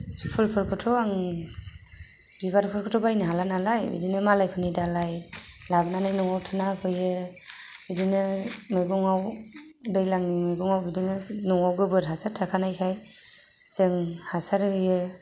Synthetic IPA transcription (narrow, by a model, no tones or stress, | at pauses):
spʰɯlpʰɯɾkʰɯtʰɔaŋ | biβaɾpʰɯɾkʰɯtʰɔbajnɯɦalanalajbḭdinɯmalajpʰɯnidalaj | labnanajnɔŋawtʰɯnapʰɯjɯ | bidinɯmɯjɡɔŋaw | dɯjlaŋnimɯjɡɔŋawbidinɯnɔŋawɡɯbɯɾɦasatʰakʰanajkʰaj | sɯŋhasaɾɯɯjɯ